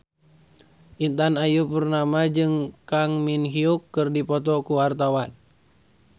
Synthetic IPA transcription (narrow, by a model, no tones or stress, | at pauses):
ʔint̪anajupərnamad͡ʒɨŋkaŋminɦiukːɨrdipɔt̪ɔkuart̪awan